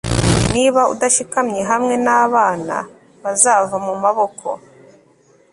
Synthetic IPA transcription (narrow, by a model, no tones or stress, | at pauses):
niːβaṵdaʃikamɲe̞ɦamŋe̞naːβaːna̰ | βazaːvamumaβo̞kʰo̞̰